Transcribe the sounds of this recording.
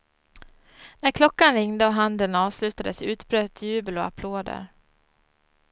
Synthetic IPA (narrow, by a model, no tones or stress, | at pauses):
næɾkʰlɔkːanɾɪŋd̪əɔɦand̪ənɑːvslʉ̟ːt̪ad̪əsʉ̟ːt̪bɾøːt̪ʰjʉ̟ːbəlɔa̰pʰloːd̪ə̰ɾ